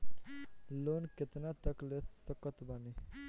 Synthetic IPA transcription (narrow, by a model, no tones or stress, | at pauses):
lonkɪt̪nat̪əklessəkət̪bəni